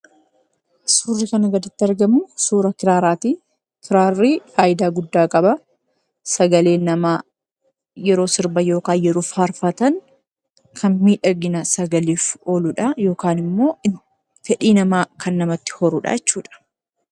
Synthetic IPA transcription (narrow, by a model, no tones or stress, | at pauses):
suːrːɪkɐnɐɡɐd̪ɐt̪ːɪɐɾɡɐmʊsuːɾɐkɪɾaːɾaːt̪iː | kɪɾaːrːiːfaːjɪd̪aːɡʊd̪ːaːkʼɐbɐ | sɐɡɐle̞ːnːɐmaː | jɛɾo̞ːsɪɾbɐjo̞ːkaːnjɛɾoːfaːɾfɐt̪ɐŋ | kʰɐnmiːᶑɐɡɪnɐsɐɡɐliːfo̞ːlʊᶑɐjo̞ːkaːnɪmːo̞ː | fɛᶑiːnɐmaːkʰɐnːɐmɐt̪ːɪ̥hɔɾuːᶑa̰jɛt͡ʃːuːᶑɐ̥